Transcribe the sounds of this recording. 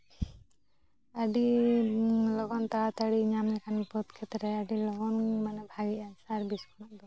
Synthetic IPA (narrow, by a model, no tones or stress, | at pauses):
əɖi | lɔɡɔnt̪at̪aɽiɲamɲɛkʰanpɔt̪kʰɛt̪ɾɛəɖilɔɡɔnmanɛbʱaɡiasaɾbiskʰɔnaʔd̪ɔ